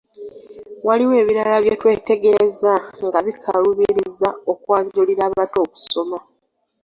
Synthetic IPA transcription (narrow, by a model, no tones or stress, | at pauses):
waliwe̞ːβiɾalaβjetwe̞ːte̞ɡe̞ɾe̞zaŋɡaβikʰaluβiɾizao̞kwaːɲɟuliɾaːβaːto̞ːku̥so̞ma